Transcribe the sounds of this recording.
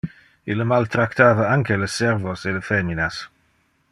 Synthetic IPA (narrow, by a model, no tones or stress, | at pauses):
iləmalt̪ɾakt̪ʰaːvaaŋkʰɛləsɛrvɔseləfɛːminas